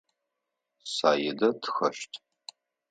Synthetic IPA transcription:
saːjɛdɐtʰxɐʃtʰʼ

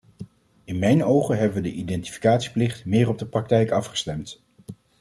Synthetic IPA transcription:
ɪnmɛjnowχənɦɛbəʋədəʔidɛnti̥fi̥kaːtsi̥plɪχtmɪːɹrɔb̚dəprɑk̚tɛjkɑfχə̥stɛmt

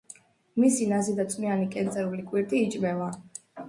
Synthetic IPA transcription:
misinazid̪at̪sʼmianikʼɛnt̪sʼɛɾulikʼwiɾt̪ʼiːt͡ʃʼmɛva

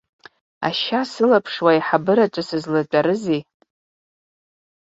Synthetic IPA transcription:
a̰ʃasɨlapʰʂwaiħabɨɾat͡ʃʷʼasɨzlat͡ʃʷʼaɾɨzi

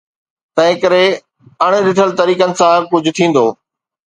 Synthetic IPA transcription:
t̪ɐ̃ɦɪ̃kəɾe | ɐɽ̃̆ɗɪʈʰəlt̪ɐɾiːkənɪ̆sãkʊd͡ʑʱʊ̆t̪ʰĩːn̆d̪oː

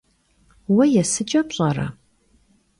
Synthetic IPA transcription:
wɐjɛsɨt͡ʃʼɐpɕʼɐrɐ̰

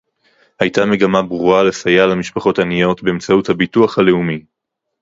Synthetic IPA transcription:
hajtame̞ɡamabʁuale̞sajalamiʃpaχo̞tanijo̞tbe̞emt͡sauthabituaχhale̞umi

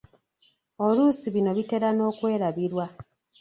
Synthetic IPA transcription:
o̞lusiβino̞βite̞ɾano̞ːkwe̞ːɾaβiɾwa

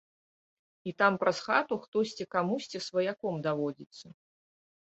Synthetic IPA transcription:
it̪ampɾɐsxat̪uxt̪ɔsʲt͡sʲikamusʲt͡sʲisvɐjakɔmd̪avɔd͡zʲit̪sːɐ

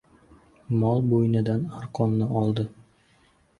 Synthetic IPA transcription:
mɒlˠbojnɪd̪anaɾqʰɒmnɪʔɒlˠd̪ɪ

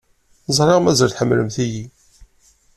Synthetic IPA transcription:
zˤɾˤeʁmæzəɾθħəmːləmθiji

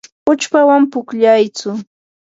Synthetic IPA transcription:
ʊt͡ʃpawampʊkʎajt͡sʊ

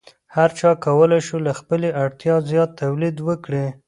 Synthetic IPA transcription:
haɾt͡ʃɑkawəlajʃulaxpəleʔaɽt̪jɑzjɑt̪ːawlid̪wəkɽe

